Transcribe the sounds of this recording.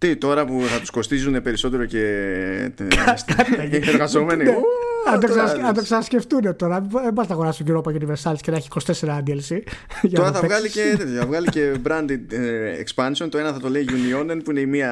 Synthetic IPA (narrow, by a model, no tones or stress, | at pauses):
t̪it̪o̞ɾɐpuθɐt̪u̥sko̞st̪izune̞pe̞ɾiso̞t̪e̞ɾo̞ce̞ | ɐsɐt̪it̪ɐieɾɣɐzo̞menineɐd̪oksɐɐd̪oksɐnɐsceft̪unet̪o̞ɾɐðeboɾɐznɐɣoɾɐsist̪oɟiɾoopɐjuniveɾsɐlscenɐeçi̥ːkost̪ese̞ɾɐɐnd̪elsiʝɐt̪oɾɐθɐɣɐlieɐvɣɐlice̞bɾɐnd̪id̪ekspɐnsio̞nt̪oe̞nɐθɐt̪o̞le̞iʝunio̞nenpuine̞imiɐ